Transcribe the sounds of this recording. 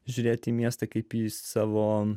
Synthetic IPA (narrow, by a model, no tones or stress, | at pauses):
ʒʲʊɾʲeːt̪ʲiːmʲiɛst̪ɐkɐɪpissɑːʋoː